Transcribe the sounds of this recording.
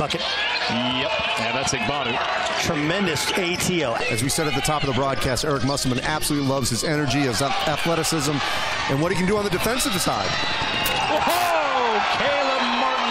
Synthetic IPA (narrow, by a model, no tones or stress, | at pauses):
ʌkɨt̚ | jɛp̚ | ɨ̃nðætsɨɡ̚vɑɾɨ̃nt | tʰɹ̥ɨmɛ̃ndɨseɪtʰioʊʔɨzwisɛɾɨt̪̚ðɨtʰɔpʌvðəbɹɔd̚kʰæstɛɹɨk̚mʌsl̩əmə̃næb̥səlutˡlilʌvz̥ɨzɛñə˞d͡ʒiɨz | æθlɛɾɨsɪzə̃m | ʔɨ̃nwʌtɾhikɨ̃n̩dɨə̃nðɨdɨfɛ̃nsʌvðɨsaɪd̥ | o | kʰɛlˠə | m